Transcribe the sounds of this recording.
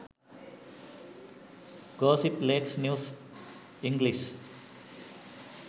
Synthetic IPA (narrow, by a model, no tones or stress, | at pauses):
ɡɔːsipleːksnjuːs | iŋɡlis